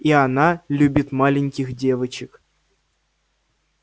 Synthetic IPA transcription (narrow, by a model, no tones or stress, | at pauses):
ianalʲubʲit̪malʲɪnʲkʲixdʲeʋɨt͡ɕɪk